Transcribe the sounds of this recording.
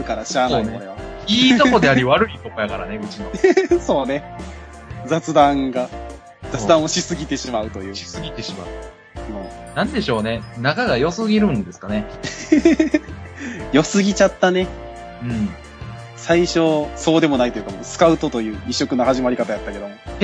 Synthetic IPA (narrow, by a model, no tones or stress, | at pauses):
ɯ̟kaɾaɕaːnonɾeβaiːt̪okod̪e̞aɾʲiβaɾɯ̟it̪okojaɡaɾane̞ɯ̟t͡ɕinoso̞ːne̞ | d͡zat͡sɨd̪ãŋɡa | d͡zat͡sɨd̪ãɰ̃o̞ɕisɨɡʲit̪e̞ɕimaɯ̟t̪o̞jɯ̟ːɕi̥sɨɡʲit̪e̞ɕima̰ɯ̟ | ɯ̟̃ːnãnd̪e̞ɕo̞ːne̞nakaɡajo̞sɨɡʲiɾɯ̟̃nd̪e̞sɨ̥kane̞ | jo̞sɨɡʲit͡ɕat̪ːane̞ | ɯ̃ɴ | saiɕo̞so̞ːd̪e̞mo̞nait̪o̞jɯkamosɨ̥kaɯ̟t̪o̞t̪o̞jɯ̟ːiɕːo̞kɯ̟nahaʑimaɾʲikat̪ajat̪ːake̞d̪omo